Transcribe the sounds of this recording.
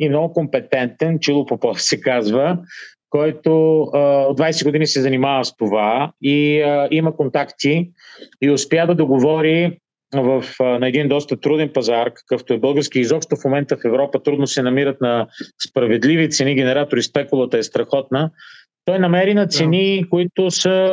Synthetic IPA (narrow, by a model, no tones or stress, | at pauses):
imnɔɡʊkompɛt̪ɛnt̪ɛnt͡ʃilˠopopɔsɛkazvəkɔjt̪ood̪vajsɛɡod̪inisɛzɐnimavəst̪ovaiəimɐkont̪akt̪iː | ʊspʲjad̪ɐd̪oɡovɔɾi | vəfnɐɛd̪ind̪ɔst̪ət̪ɾud̪ɛnpɐzaɾkɐ̥kəft̪oɛbɤlˠɡəɾsk̟iizɔpʃt̪ofmomɛnt̪əfɛvɾɔpət̪ɾud̪nosɛnɐmiɾət̪nɐspɾɐvɛd̪livit̪sɛniɡ̟ɛnɛɾat̪oɾispɛkʊlˠət̪əɛst̪ɾɐxɔt̪nə | t̪ɔjnɐmɛɾinɐt̪sɛnikoit̪ʊsə